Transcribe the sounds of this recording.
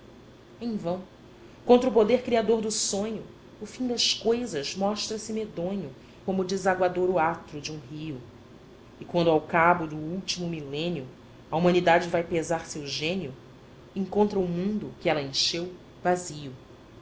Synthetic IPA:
ẽj̃vɐ̃w̃ | kwõnt̪ɾʊpod̪eɾkɾiad̪oɾd̪ʊsõɲʊː | fĩd̪ɐʃkojzɐzmɔʃt̪ɾɐsɪmed̪õɲʊ | kõmʊd͡ʒɪzaɡwad̪oɾʊat̪ɾʊd͡ʒɪũɦiʊ | ɪkwɐ̃nd̪ʊawkabʊd̪ʊuwt͡ʃimʊmilẽniʊ | ɐumɐ̃nid̪ad͡ʒɪvajpezaɾsewʒẽnjʊ | ẽŋkõnt̪ɾɐumũnd̪ʊkɪɛlɐẽʃew | vaziʊ

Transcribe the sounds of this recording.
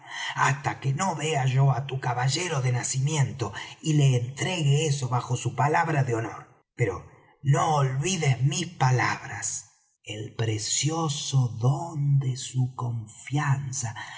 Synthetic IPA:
ast̪akenoβeaʒo̞at̪ukaβaʒeɾo̞ðenasimje̞nt̪o̞ileːnt̪ɾe̞ɣeeso̞βaxo̞supalaβɾaðeo̞no̞ɾ | peɾo̰ | noːlβiðezmispalaβɾas | elpɾesjosoðond̪esuko̞ɱfjansa

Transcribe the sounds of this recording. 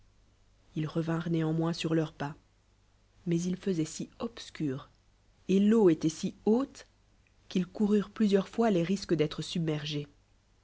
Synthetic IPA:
ilʁəvɛ̃ʁneɑ̃mwɛ̃syʁlœʁpa | mɛzilfəzɛsiɔpskʲyːʁ | eloet̪ɛsiot̪ | kʲilkuʁyʁplyzjœʁfwaleʁiskəd̪ɛt̪χəsybmɛʁʒe

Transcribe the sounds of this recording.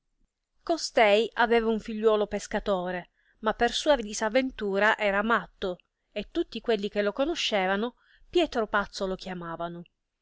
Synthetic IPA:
kost̪ɛjʔavɛːvauɱfiʎːwɔːlopeskat̪oːɾe | mapːersuːavid̪isavːent̪uːɾaʔɛːɾamat̪ːo | et̪ːut̪ːikwelːik̟elːokonoʃːeːvano | pjɛːt̪ɾopat̪solok̟jamaːvano

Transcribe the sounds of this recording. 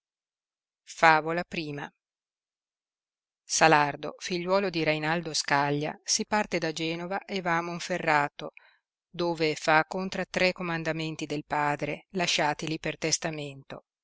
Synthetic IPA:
faːvolapɾiːma̰ | salard̪o̰fiʎːwɔːlod̪iɾejnald̪oskaʎːa̰sipart̪ed̪ad͡ʒɛːnovaʔevaːmoɱferːaːt̪o | d̪oːvefakːont̪ɾat̪ɾɛkːomand̪ament̪id̪elpaːd̪ɾelaʃːaːt̪ilipert̪est̪ament̪o

